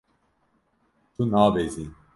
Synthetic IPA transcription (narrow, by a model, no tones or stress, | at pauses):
t̪ʰunaːbezin